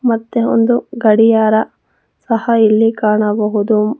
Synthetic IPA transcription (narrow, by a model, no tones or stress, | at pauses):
mɐt̪ːeo̰nd̪uɡɐɽijaːɾɐ | sɐhɐilːikaːɳɐbɐɦud̪u